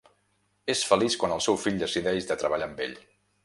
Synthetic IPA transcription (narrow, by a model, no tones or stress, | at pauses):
esfəliskwanəlˠsɛwfiʎd̪əsiðɛʒðət̪ɾəβəʎambḛʎ